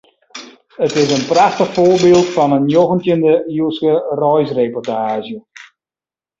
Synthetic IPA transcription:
ətɪs̬ənpraxtəxfoːrbɪːlˠtfɑnənjoɣəntjəndəuəskərɔjsrepɔrtaːzə

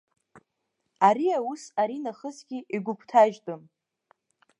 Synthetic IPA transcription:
aɾiawusaɾinaχəzɡʲiiɡʷʊkʷʰtʰaʒtʼɨm

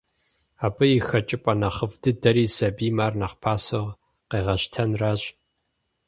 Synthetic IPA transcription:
aːbʼɨjixɐt͡ʃʼɪpʼɐnɐχəvdɨdɐɾiːsɐbiːmaːrnɐχpʰaːsɨʁ | qeːʁɐɕtʰɐnraːɕʼ

